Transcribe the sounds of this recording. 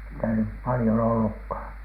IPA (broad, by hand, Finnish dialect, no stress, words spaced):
sitæ nyp pɑlĭjon olːukhɑˑn